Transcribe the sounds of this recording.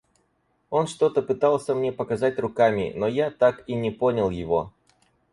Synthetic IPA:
o̞nʂt̪o̞t̪əpɨt̪alˠsʲəmnʲe̞pəkɐzat̚ʲrʊkamʲɪ̰no̞jat̪akinʲɪpo̞nʲəlˠjɪvo̞

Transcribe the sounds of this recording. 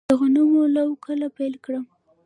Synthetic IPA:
əɣonəmolawkʰəlapajlkɽəm

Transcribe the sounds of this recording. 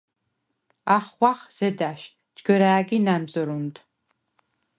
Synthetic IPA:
aːχχʷɑːχz̥ɐdaːʃ | d͡ʒɡɐɾaːɡʲiːnaːmzɐɾuntʰ

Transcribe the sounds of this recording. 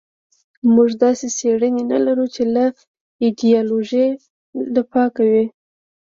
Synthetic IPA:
muʒd̪ɑseseɽənena̰laɾut͡ʃelaf | id̪ijɑloʒe | ləpɑkawi

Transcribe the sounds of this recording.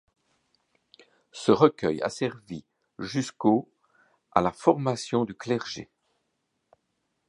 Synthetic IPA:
səʁəkʲœja̰sɛʁvi | ʒysko | a̰lafɔʁmasjɔ̃d̪yklɛʁʒḛ

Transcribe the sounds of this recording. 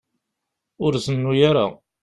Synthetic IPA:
ʊɾzənːujaɾa̰

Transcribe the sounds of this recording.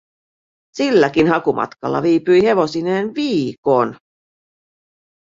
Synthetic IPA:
silːækinɦɑkumʔɑ̰t̪kɑ̰lːɑ̰ʋiːpyjhe̞ʋo̞sineːnʋiːkon

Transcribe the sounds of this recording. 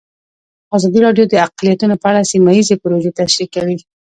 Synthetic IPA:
azɑd̪iɾɑɖjod̪əaqlijat̪unopəaɽasimaizepʊɾoʒet̪aʃɾikawi

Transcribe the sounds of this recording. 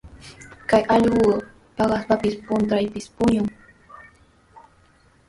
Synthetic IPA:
kajʔɑʎɢʊ | pɑɢɑspapɪspʊnt̪ɾajpɪspʊɲʊŋ

